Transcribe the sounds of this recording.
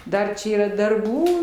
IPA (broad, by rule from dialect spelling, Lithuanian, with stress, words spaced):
ˈdɐr t͡ʃʲɛ iːˈrɐ dɐrˈbuː